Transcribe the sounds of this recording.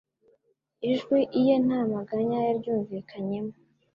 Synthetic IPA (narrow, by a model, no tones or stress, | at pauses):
iʒɡwiʔijen̥aːmaɡaɲajaɾɟuːɱviːkʰaɲe̞mo